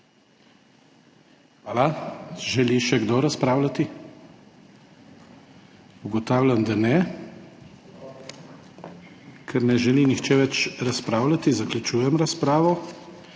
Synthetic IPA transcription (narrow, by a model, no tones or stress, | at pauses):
xʋaːlaʒɛliʃɛɡd̪oɾaspɾaːwlat̪i | uɡɔt̪aːwlʲand̪anɛ | kʰɛɾnɛʒɛlinixt͡ʃɛʋɛt͡ʃɾaspɾaːwlat̪izaklʲut͡ʃuːjɛmɾaspɾaːʋɔ